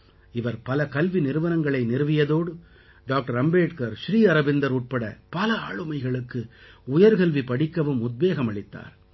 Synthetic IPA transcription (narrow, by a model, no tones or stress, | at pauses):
ɪʋɐɾpɐlɐkɐlʋinɪɾɯʋɐnɐŋɡɐɭɐɪnɪɾɯʋɪjɐðoːɽɯ | ɖaːk̚ʈɐɾɐmbeːʈkɐɾʃɾiːɐɾɐbɪnd̪ɐɾuːʈ̚pɐɽɐ̰pɐlɐaːɻɯmɐɪɣɐɭɯkːɯʊjɐɾkɐlʋipɐɽɪkːɐʋɯmʊd̪̚beːɣɐmɐɭɪt̪ːa̰ːɾ